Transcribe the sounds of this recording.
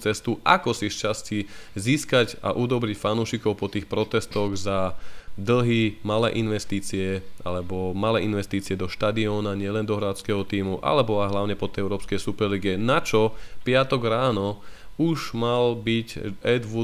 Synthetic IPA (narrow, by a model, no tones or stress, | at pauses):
t͡sɛst̪uʔa̰kɔsisʃt͡ʃasciziːskaɟa̰ʔud̪ɔbɾicfanuːʃikɔʊpɔt̪iːxpɾɔt̪ɛst̪ɔɣzad̪l̩ɦimalɛ̰ːʔinʋɛst̪iːt͡siɛʔa̰lɛbɔmalɛːinʋɛst̪iːt͡siɪɛd̪ɔʃt̪ad̪iɔːnaɲɪɛlɛnd̪ɔɦɾat͡skɛɦɔt̪iːmuʔa̰lɛbɔaɪɦlaʊɲɛpɔt̪ɛɛʊɾɔːpskɛjsupɛɾliɡiɛnat͡ʃɔpɪat̪ɔɡɾaːnɔuʒmalbicɛd̪ʋu